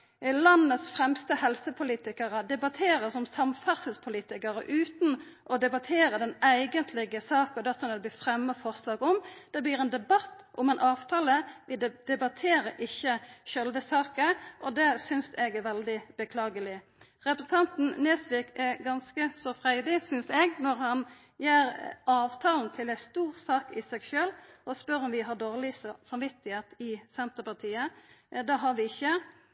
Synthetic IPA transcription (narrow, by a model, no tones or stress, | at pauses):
lɑnːəsfʁɛmst̪əhɛlsəpʰʊliːt̪ɪkəʁəd̪ɛbɑt̪ʰeːɾəsɔmsɑmfæʁsəspʰʊliːt̪ɪkəɾə̰ʔʉːt̪n̩ | ʔɔd̪ɛbɑt̪ʰeːɾəd̪ɛnæɪɡənt̪ʰlɪɡəsɑːkɔd̪æsɔnəd̪ɛb̪iːfʁɛmːəfɔʁslɑːɡɔmd̪̥ɛbliːɾɛːnd̪ɛbɑt̪ːʔɔmɛːnʔɑːʋt̪ʰɑːləʋɪd̪̥ɛbɑt̪ʰeːɾəʔɪçːəʃœlʋəsɑːkəʔɔd̪ɛsʏnsɛɡɛɾʋɛld̪ɪb̥əkʰlɑːɡəlɪ | ʁɛpɾəsn̩t̪ʰɑnt̪n̩neːsʋɪːkɛɡɑnskəsɔfʁæɪd̪ɪsʏnsɛɡnɔɾhɑn | jæːɾɑːʋt̪ʰɑːlnt̪ʰɪlæst̪uːʁsɑːkɪsɛɡʃøːlɔspœɾɔmʋɪɦɑd̪oːʁlɪsɑmʋɪt̪ːɪheːt̪ɪsɛnt̪əpɑt̪ʰiːəd̪ɛɦɑɾʋɪɪçːə